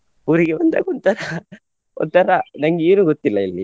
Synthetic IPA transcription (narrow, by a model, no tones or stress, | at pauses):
uɾiɡebɐnd̪a̰ːɡɔnt̪ɐɾɐ | ɔ̰nt̪ːɐɾɐnɐŋɡiːɾuɡot̪ːilːɐilːi